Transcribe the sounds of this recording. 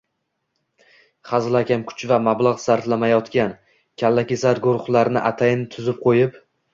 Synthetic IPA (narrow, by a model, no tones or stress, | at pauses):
χazlˠakʲʰamkʰʊ̥t͡ʃvamablˠaʁsaɾt̪lamajɒt̪kʲan | kʲʰalːakʲesaɾɡʊɾχlˠaɾnɪʔat̪ʰajɪnɪt̪ʰʊzɪp̚qʰojɪp